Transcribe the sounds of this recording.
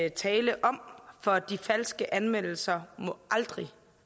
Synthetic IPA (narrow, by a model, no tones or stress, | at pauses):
t͡sʰɛːləʔɒ̽mfɒ̽d̥ifæl̰sɡ̥əʔænmen̰l̩sɐmɔʔɑld̥ʁi